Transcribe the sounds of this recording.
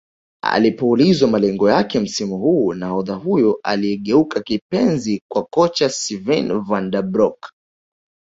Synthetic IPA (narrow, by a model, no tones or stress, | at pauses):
a̰lipɔːlizwamalɛŋɡɔjakɛm̩simuhuːnahɔðahujɔʔa̰liɛɠɛukakipɛnzikwakɔt͡ʃasivɛnvandabɾɔk